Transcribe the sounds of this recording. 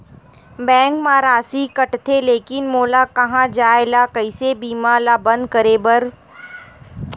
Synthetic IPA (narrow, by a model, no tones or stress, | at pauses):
bɛ̃ːŋkmãːɾaːsikɐʈt̪ʰeleːkɪnmoːlakɐɦãd͡ʒaːelakɐɪsebiːmaːlabɐ̃nd̪kəɾeːbəɾ